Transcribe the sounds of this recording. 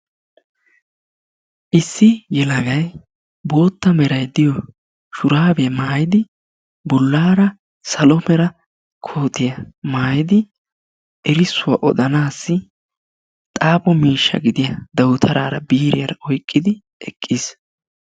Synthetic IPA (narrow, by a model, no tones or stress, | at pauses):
ʔɪsːɪjɛlɐɡɐj | bo̞ːt̪ːɐmɛɾɐjd̪ɪjɔ | ʃʊɾaːbɛjɐmaːjɪd̪ɪ | bʊlːaːɾɐ | sɐlɔmɛɾɐ | kʰo̞ːt̪ɪjɐmaːjɪd̪ɪ | ʔɛɾɪsːʊwa̰ʔɔd̪ɐnaːsːɪ | t̪ʼaːbɔmiːʃːɐ̰ɡɪd̪ɪjɐd̪ɐwʊt̪ʰɐɾaːɾɐbiːɾɪjɐɾɐʔɔjkʼːɪd̪ɪ | ʔɛkʼːɪs